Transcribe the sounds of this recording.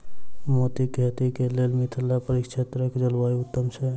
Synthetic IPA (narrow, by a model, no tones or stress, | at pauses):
mot̪iket̪ikelelmit̪ʰəlːapəɾikt͡ʃʰet̪ɾəkʰd͡ʒəlwaiut̪ːəmt͡ʃʰe